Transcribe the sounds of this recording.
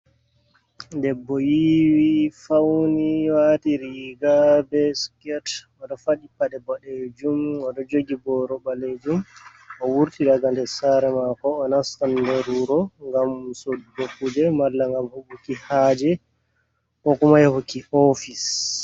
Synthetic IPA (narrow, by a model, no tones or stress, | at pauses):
ndɛbːɔjiwifawniwatiɾiɡabɛskɛt | ɔɗɔfaɗipːaɗɛbɔɗed͡ʒumɔɗɔd͡ʒoɡibɔɾɔbaled͡ʒum | ʔɔwuɾtiɗaɡandɛsaɾɛmakɔːnastandɛɾuɾɔŋɡamsodbokːud͡ʒɛmalːaŋɡamhoɓukihaːd͡ʒɛ | kɔkumajhokːiofis